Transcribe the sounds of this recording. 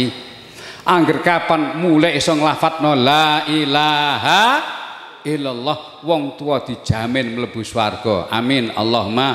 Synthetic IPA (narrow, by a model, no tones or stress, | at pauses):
ʔaŋɡərkapanmulɛʔisɔŋlafat̪̚nɔlaʔilaɦa | ʔilalːɔh | wɔŋt̪uwɔd̪̥i̤d̥ʒ̥a̤mɪnmələb̥ṳswarɡ̥ɔʔa̰mɪna̰lːɔɦuma